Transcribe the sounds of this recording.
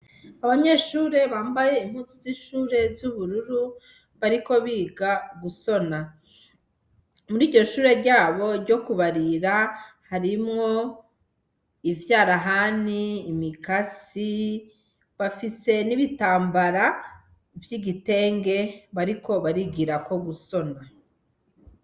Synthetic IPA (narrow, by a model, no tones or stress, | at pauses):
aβaɲe̞ʃuːɾe̞βaːmbaje̞im̥huːzuziʃuːɾe̞zuβuɾuɾu | βaɾiko̞βiːɡaɡuso̞na | muɾiːɾɟo̞ʃuːɾe̞ɾɟaːβo̞ɾɟo̞kuβaɾiɾahaɾimŋo̞ | ivjaːɾaɦaːniːmikasi | βafise̞niβitaːmbaɾa | vjiɡite̞ːŋɡe̞βaɾiko̞βaɾiɡiɾako̞ɡuso̞na